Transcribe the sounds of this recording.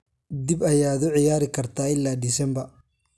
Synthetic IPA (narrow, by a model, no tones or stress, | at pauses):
d̪ibɐjaːðʊʕɪjaːɾɪkʰɐrt̪ʰaːɪlːaːd̪ɪsɛmbɐ